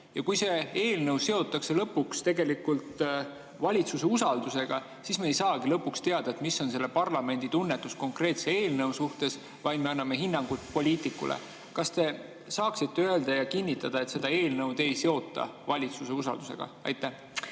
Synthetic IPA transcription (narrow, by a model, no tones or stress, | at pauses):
jɑkujse̞e̞ːlnɤwse̞o̞t̪ˑːɑkse̞lɤpːukst̪e̞ɡe̞likult̪ | vɑlʲit̪suse̞usɑld̪use̞ɡ̥ɑ | sismeejsɑːɡilɤpːˑukst̪e̞ɑd̪̥ɑe̞t̪misːo̞nse̞lːe̞pɑrlɑme̞nd̪̥it̪unːet̪ːˑusko̞ŋkre̞ːt̪se̞eːlnɤwsuht̪e̞s | vɑjd̪me̞ɑnːɑme̞ɦinːɑŋɡ̥ut̪po̞lʲiːt̪ˑikːˑṵlʔḛ | kɑst̪e̞ | sɑːksit̪ːe̞øe̞ld̪̥ɑjɑkinʲːit̪ːˑɑd̪̥ɑe̞t̪se̞d̪̥ɑe̞ːlnɤwd̪̥e̞jse̞o̞t̪ːˑɑ̰vɑlʲit̪suse̞usɑ̰ld̪use̞̰ɡ̥ɑ̰ɑ̰jt̪ːˑæh